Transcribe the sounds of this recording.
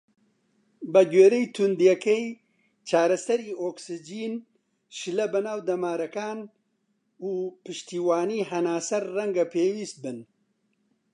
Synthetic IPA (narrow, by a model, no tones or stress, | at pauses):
bɐɡeːɾɛjt̪ʰund̪jɛkej | t͡ʃʰaːɾɐsɐɾiːoːksɨd͡ʒiːn | ʃɨlɐbɐnaːwd̪ɐmaːɾɐkaːn | uːpɨʃt̪iːwaːniːɦɐnaːsɐɾːɐŋɡɐpʰeːwiːst̪̚bɨn